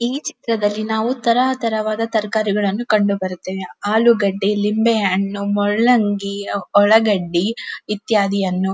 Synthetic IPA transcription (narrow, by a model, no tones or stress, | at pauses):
iːt͡ʃi̥t̪ɾɐd̪ɐlːinaːʋut̪ɐɾɐɐt̪ɐɾɐʋaːd̪ɐt̪ɐɾkaːɾiɡɐɭɐnːukɐɳɖubɐɾut̪ːeːʋeaːluɡɐɖːilimbɛɐɳːumɔɭːɐŋɡiɔɭɐɡɐɖːiit̪jaːd̪ijɐnːu